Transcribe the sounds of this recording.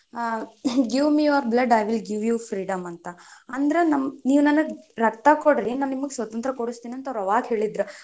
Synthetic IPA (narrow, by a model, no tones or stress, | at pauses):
ɡiʋmiɐɾblɐɖɐjʋilɡiʋjuːfɾiːɖɐmɐnt̪ɐɐnd̪ɐɾenɐmniːʋunɐnuɡɾɐkt̪ɐkoɽɾinaːnnimɐɡesʋɐt̪ɐnt̪ɾɐkoɽust̪iːniɐnt̪ɐʋɾɐʋaːɡɦe̞ːɭid̪ɾu